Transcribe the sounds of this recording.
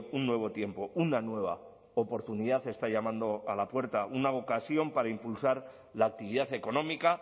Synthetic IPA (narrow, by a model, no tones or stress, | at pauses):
unːwe̞β̞o̞t̪je̞mpo̞unanwe̞β̞a̰ | opo̞ɾt̪uniðaθe̞st̪aʎamãnd̪o̞alapwe̞ɾt̪aʔunaokasjo̞mpaɾaimpulsaɾ | laːk̚t̪iβiðaθe̞ko̞nõ̞mika